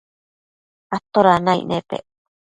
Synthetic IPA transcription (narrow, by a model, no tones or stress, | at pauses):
at̪ːoɾanaj̰nʔep̪ḛ